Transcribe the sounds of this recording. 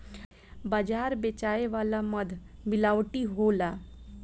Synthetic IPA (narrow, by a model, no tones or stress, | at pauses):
bad͡ʒaɾbet͡ʃaeʋalaməd̪ʱmilawʈiɦola